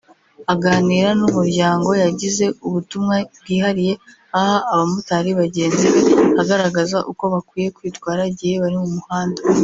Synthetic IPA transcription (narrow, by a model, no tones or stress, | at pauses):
aɡaːniːɾanumuɾɟaːŋɡo̞jaɟize̞uβutumŋab̚ɡiːhaɾije̞ | ahaʔːβamutaɾiβaɟe̞ːnziβehaɡaɾaɡazaʔuko̞βakwiːje̞kwiːtwaːɾaɟihe̞βaɾimumuhaːnda